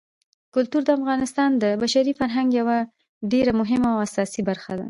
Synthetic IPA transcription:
kʊlt̪uɾd̪əafɣɑnɪst̪ɑnd̪əbaʃaɾifaɾɦaŋɡjawa | ɖeɾamʊɦɪmawasɑsibaɾxad̪a̰

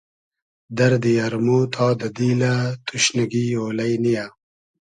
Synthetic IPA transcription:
d̪ɐɾd̪ijɐɾmoːt̪ʰaːd̪ɐd̪iːlat̪uɕnɐɡiːoːlɐjnija

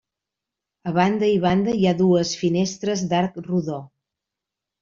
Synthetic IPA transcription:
əβand̪əiβ̞and̪əiaðuəsfinest̪ɾəzd̪aɾkruðo

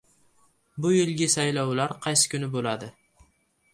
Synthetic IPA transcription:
bʊjɪlɡʲɪsajlawlaɾqʰɑjsɪ̥kʲʰʊnɪbolad̪ɪ

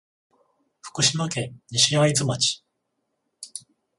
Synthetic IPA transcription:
ɸɯ̥kɯ̟ɕimakẽɲiɕiaid͡zɨmat͡ɕi̥

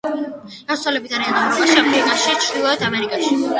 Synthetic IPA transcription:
ɡassʰwalɛbit̪aɾianaaʃamikʼaʃit͡ʃʰɾd̪ilˠɔɛt̪ʰamɛɾikʼaʃi

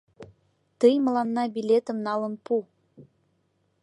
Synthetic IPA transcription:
t̪əjmə̆lɑnːɑbilʲet̪ə̆mnɑlə̆npu

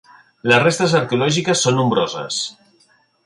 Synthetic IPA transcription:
ləzrest̪əzəɾkeulɔʒikəsːonːumbɾozə̰s

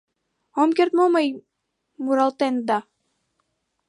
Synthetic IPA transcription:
omkʲeɾt̪momɤj | muɾɑlˠt̪end̪ɑ

